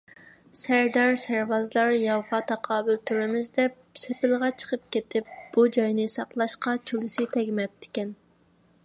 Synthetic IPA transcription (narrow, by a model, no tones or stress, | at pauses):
sæɾd̪ɑɾsæɾvɑzlˠɑɾjɑwʁɑt̪ʰɑqʰɑːbɪlt̪ʰyɾɪmɪzd̪ɛp̚ | sepʰɪlˠʁɑt͡ʃʰə̥qʰəp̚kʲet̪ʰɪp̚b̥ud͡ʒɑjnɨsɑqlˠɑʃqɑt͡ʃʰulˠɪsɪt̪ʰɛɡʲmɛp̚t̪ʰɪ̥kʲɛn